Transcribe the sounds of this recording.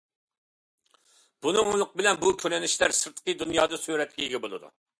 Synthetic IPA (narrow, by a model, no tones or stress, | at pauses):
b̥unɨŋulˠʊqbɪlɛnbukʲʰølɪnɪʃlæɾsɨɾt̪ʰqʰəd̪unjɑːd̪ɨsyɾɛt̪̚kʲɛiɡʲɛbolˠɨ̰d̪ṵ